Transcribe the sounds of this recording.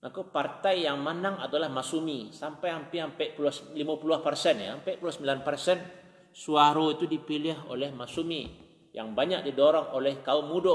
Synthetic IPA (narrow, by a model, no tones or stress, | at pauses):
akupart̪ajːaŋmanaŋadalahmasumisampajampiampɛʔpuluahslimapuluahpərsɛnja̰mpɛpuluasəmbilanpərsɛn | suaɾoit̪udipilɪɦo̰lɛhmasumi | ja̰ŋbaɲak̚didɔɾɔŋolɛhkaumudo